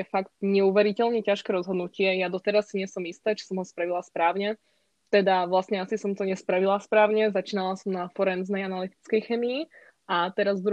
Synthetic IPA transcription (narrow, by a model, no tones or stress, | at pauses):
ɛfakt̪ɲɛuʋɛɾicɛʎɲɛcaʃkɛːɾɔzɦɔd̪nucɪɛjad̪ɔt̪ɛɾasːiɲɪɛsɔmist̪ɛːt͡ʃi̥sɔmɦɔspɾaʋilaspɾaːʊɲɛ | t̪ɛd̪aʋlast̪ɲɛasisɔmt̪ɔɲɛspɾaʋilaspɾaːʊɲɛzat͡ʃiːnalasɔmnafɔɾɛnznɛjanalit̪i̥t͡skɛjxɛmii | at̪ɛɾazd̪ɾu